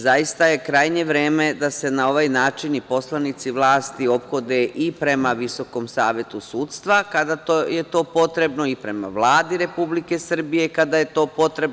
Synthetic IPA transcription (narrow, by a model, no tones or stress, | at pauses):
zajist̪aje̞kɾajɲe̞ʋɾeːme̞d̪ase̞nao̞ʋajnaːt͡ʃinipo̞slˠanit̪siʋlˠaːst̪io̞pxo̞d̪e̞ʔipɾe̞maʋiso̞ko̞msaːʋje̞t̪usuːt̪st̪ʋakad̪at̪ojet̪o̞ːpo̞t̪ɾe̞bno̞ipɾe̞ma̰ʋlˠaːd̪iɾe̞publike̞sr̩bijekad̪aje̞t̪o̞ːpo̞t̪ɾe̞b